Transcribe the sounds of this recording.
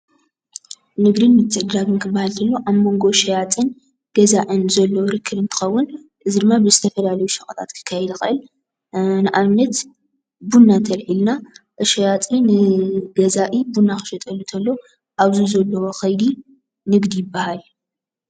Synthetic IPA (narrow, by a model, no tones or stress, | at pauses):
nɨɡɾinmɨt͡sʼɨd̪ɾaβɨŋkʰɨbːahalt̪ʰɐlːoʔaβmo̞ŋɡo̞ʃɐjat͡s̪ʼɨn | ɡ̥ɐzaʕɨnzɐlːoɾɨkʰːɨβɨnt̪ʰɨ̥xɐwːʊn | ʔɨzid̪ɨmːabɨzɨt̪ʰɐfɐlalɐjuʃɐχʼɐt̪ʰa̰t̪kʰɨ̥kʰːajɛd̪ɨxɨʔɨl | nɨʔamnɐt̪ | bunːat̪ʰɐlħilnaʔʃɐjat͡s̪ʼinɨɡ̥ɐzaʔibunːaxɨ̥ʃɐt̪ʼɐlːut̪ʰɐlːo̞ | ʔaβzuzɐlːɐwoxɐjd̪i | nɨɡd̪ijɪbːahal